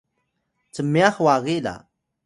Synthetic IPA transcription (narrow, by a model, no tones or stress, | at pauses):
t͡səmːiaxwaɣila̰